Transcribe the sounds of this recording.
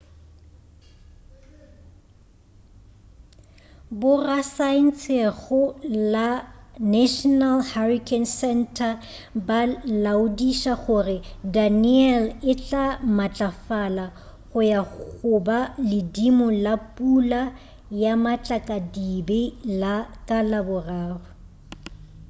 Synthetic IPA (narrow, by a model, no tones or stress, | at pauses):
bʊrasaɪn̩t͡sʰeɣʊlanaʃɔnalharikʰʼɛnsɛntʰa | balaʊdiʃaχʊrɪdaniɛlɪt͡ɬʼamat͡ɬʼafala | χʊjaʊbalɪdimʊlapʼula | jamat͡ɬʼakʼadibelakʼalabʊraːrʊ